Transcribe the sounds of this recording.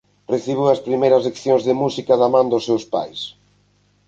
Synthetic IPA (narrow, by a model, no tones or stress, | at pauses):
reθiβ̞uɐspɾimejɾɐslekθjõŋzðɪmusikɐðɐmãnd̪ʊsewspa̰js